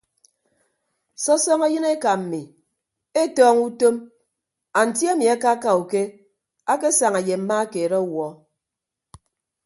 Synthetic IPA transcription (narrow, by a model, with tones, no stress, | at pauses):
sɔ˦sɔ˦ŋa˦jɨ˦ne˦ka˨m̩˨mi˨ | e˦tɔː˦ŋu˦to˦m | a˨n̩˨tja˦mi˨a˦ka˦ka˦u˨ke˦ | a˦ke˦sa˨ŋa˨je˨m̩˦ma˦a˦ke˨ɾɔ˦wɔ˨